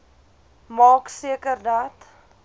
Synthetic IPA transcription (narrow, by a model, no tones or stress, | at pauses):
mɑːksiəkərdɐt